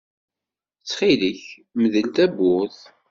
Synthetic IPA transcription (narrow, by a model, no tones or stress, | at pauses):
t͡sːχiləç | məðəlt̪æbːʊθ